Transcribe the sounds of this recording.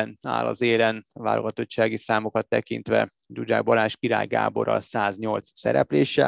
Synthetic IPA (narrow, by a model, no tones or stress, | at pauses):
na̰ːlɒzeːlɛnʋa̰ːlo̰ɡɒt̪o̞t͡ʃt͡ʃːaːɡisaːmo̞kɒt̪ːɛkint̪ʋɛ | d͡ʒud͡ʒa̰ːɡbɒɾaːʃkiɾa̰ːjɡa̰ːbo̞ɾɒ̰saːzɲo̞lt̪ssɛ̰ɾɛpleːʃɛ